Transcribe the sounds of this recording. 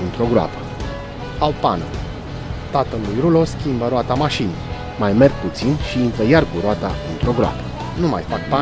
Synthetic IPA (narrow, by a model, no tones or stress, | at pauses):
ɨnt̪ɾo̞ɡɾoa̰pə | awpanu | t̪at̪əlːujɾulo̞skʲimbəɾoat̪amaʃini | majme̞rɡ̚put̪sinʃiɨnt̪əjarkuɾoat̪aɨnt̪ɾo̞ɡɾoa̰pə̥ | numa̰jfak̚pa